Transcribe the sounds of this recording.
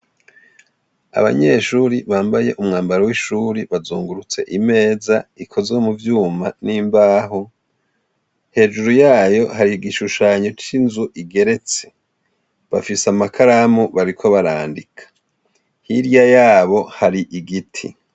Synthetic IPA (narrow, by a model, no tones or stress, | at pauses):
a̰βa̰ɲe̞ʃuɾiβaːmbaje̞ʔumŋaːmbaɾowiʃuɾiβazuːŋɡuɾut͡se̞̰ʔime̞ːzaikʰo̞zemuvjuːmaniːmbaːɦo̞ | he̞ːd͡ʒuɾujaːjo̞haɾiɡiʃuʃaːɲo̞t͡ʃinzuʔiɡe̞ɾe̞t͡se̞̥ | βa̰fisamakʰaɾamuβaɾikʰo̞βaɾaːndikʰḁ | hiɾjajaːβo̞haɾiʔiɡitʰḭ